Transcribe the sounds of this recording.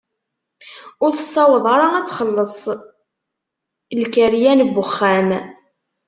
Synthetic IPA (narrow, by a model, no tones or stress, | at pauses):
ʊɾθəsˤːɑwəðˤɑɾˤɑæt͡sːχəlːəsˤ | lkəɾjænbːʊχːæm